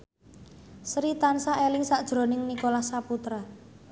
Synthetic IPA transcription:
sɾit̪ansaʔelɪŋsaʔd̥ʒ̥ɾo̤nɪŋnikolahsaput̪ɾa

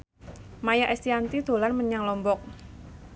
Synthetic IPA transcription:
majaʔɛst̪iant̪id̪̥o̤lanməɲaŋlɔmbɔk̚

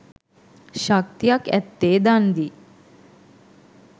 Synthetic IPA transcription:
ʃak̚t̪ijakæ̰t̪ːeːd̪and̪i

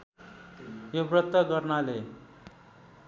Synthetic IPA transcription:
jobɾʌt̪ːəɡʌɾnale

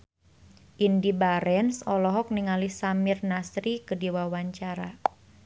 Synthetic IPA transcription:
ʔindibaɾɛnsɔlɔɦɔk̚niŋalisamirnasɾikədiwawaɲt͡ʃaɾa

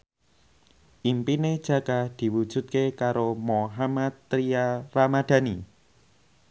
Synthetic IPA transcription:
ʔimpined̥ʒ̥ä̤kad̪̥i̤wud̥ʒ̥ṳt̪̚kekaɾomoɦamat̪ːɾiaramad̪̥a̤ni

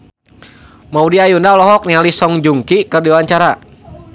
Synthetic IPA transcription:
maudiajundaɔlɔɦɔk̚nialisɔŋd͡ʒuŋkikərdiwawaɲt͡ʃaɾa

